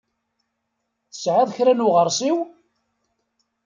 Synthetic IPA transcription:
θə̥sʕaðˤçɾænuʁəɾˤsiw

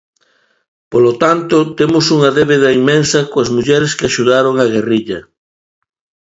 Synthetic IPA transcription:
polot̪ant̪ʊt̪emʊsuŋɐðeβeðɐimensɐkoɐzmuʎɛɾeskɪaʃuðaɾoŋaɣeriʎɐ

